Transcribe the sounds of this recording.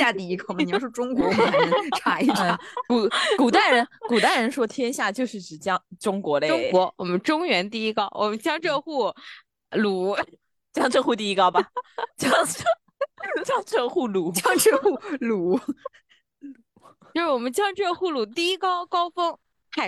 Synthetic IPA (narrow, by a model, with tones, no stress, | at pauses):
a˥˧t̪i˥˩i˥˩kʰo˥˩nmə˩˨˩ʂɻɔ˥˧ʈ͡ʂʊ˥ŋkwɔ˧˥wɔ˨˩˧ʈ͡ʂʰa˧˥i˥˩ʈ͡ʂʰa˥˨˩ku˨˩ku˨˩t̪a˥˩ɪɻə˧˥nku˨˩t̪a˥˩ɪɻə˧˥nʂwɔ˥t̪ʰjɛ˥nɕja˥˩t͡ɕjo˥˧ʊʂɻ̩˥˩ʈ͡ʂɻ̩˨˩t͡ɕjɑ˥ŋʈ͡ʂʊ˥ŋkwɔ˧˥le˥˧ʊ˥˩˥ɔ˧˥wʔɔ˨˩mə˦nʈ͡ʂʊ˥ŋɥɛ˧˥nt̪i˥˩i˥kɑ˥ʊwʔɔ̰˨˩mə˦nt͡ɕjɑ˥ŋʈ͡ʂɤ˥˧xu˥˩ | lu˨˩˦ | t͡ɕjɑ˥ŋʈ͡ʂʰə˥˧nxu˥˧t̪i˥˩i˥kɑ˥ʊba˨˩t͡ɕjɑ˥ŋ˥ | t͡ɕjɑ˥ŋʈ͡ʂʰə˥˧xu˥˩lu˨˩˦t͡ɕjɑ˥ŋʈ͡ʂɤ˥˧xu˥˩lu˨˩˦ | jʂɻ̩˥˧wɔ˨˩mə˦nt͡ɕjɑ˥ŋʈ͡ʂɤ˥˧xu˥˩lu˨˩t̪i˥˩i˥kɑ˥ʊkɑ˥ʊfɤ˥ŋ | xa˥˩